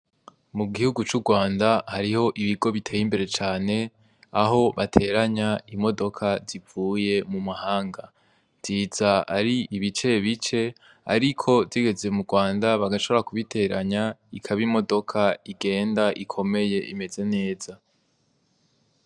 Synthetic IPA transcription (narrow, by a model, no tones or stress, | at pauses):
muɡihuɡut͡ʃuɡwaːndahaɾiho̞ʔiβiɡo̞βitʰe̞ːjimbe̞ɾe̞t͡ʃaːne̞ | aɦo̞βatʰe̞ɾaɲaimo̞do̞kʰazivuːje̞mumahaːŋɡa | z̥iz̥aa̰ɾiiβit͡ʃe̞βit͡ʃe̞ | a̰ɾikʰo̞ziɡe̞ze̞muɡwaːndaβaɡaʃoβoɾakuβitʰe̞ɾaɲaikʰaβimo̞do̞kʰaiɡe̞ːndaʔikʰo̞me̞je̞ime̞ze̞ne̞ːz̥a